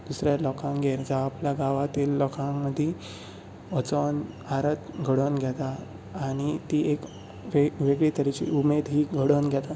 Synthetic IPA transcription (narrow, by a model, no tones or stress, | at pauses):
d̪̥usɾjalɔkãŋɡeɾd͡ʑaːpljaɡaʋat̪iːlːɔkãŋməd̪ʱːi | ɔt͡sɔn | aɾət̪ɡʱəɽənɡʱɛt̪aː | ɽ̃it̪iek | ʋeʋeɡɭit̪əɾit͡ɕḭʔumed̪ɦiːɡʱəɽənɡʱjat̪a